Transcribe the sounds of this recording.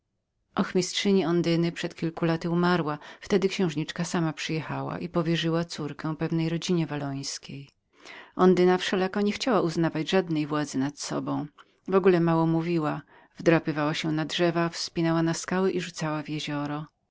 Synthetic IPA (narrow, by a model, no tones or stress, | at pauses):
ʔɔxmʲistʂɘɲiɔnd̪ɘnɘpʂɛt̪kʲilkulat̪ɘumaɾwaft̪ɛd̪ɘkɕɛ̃w̃ʐɲit͡ʂkasamapʂɘjɛxawa̰ʔipɔvʲjɛʐɘwat̪suɾkɛw̃pɛvnɛjɾɔd͡ʑiɲɛvalɔj̃skʲej | ʔɔnd̪ɘnafʂɛlakɔɲɛxt͡ɕawauznavad͡ʑʐad̪nɛjvwad̪zɘnat̪sɔ̰bɔ̃w̃ | vɔɡulɛmawɔmuvʲiwa | vd̪ɾapɘvawaɕɛnadʐɛvafspʲinɛwanaskawɛʔiʐut̪sawavjɛʑɔɾɔ